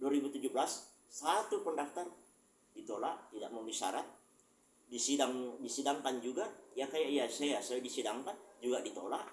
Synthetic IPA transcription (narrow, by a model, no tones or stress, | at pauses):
duaɾibut̪ud͡ʒublas | sat̪upəndaft̪ar | dit̪olaʔt̪ida̰ʔ̚məmbisa̰ɾat̪̚ | disidaŋdisidaŋkand͡ʒuɡaʔjakajaʔijasajasadisidaŋkand͡ʒuɡadit̪olaʔ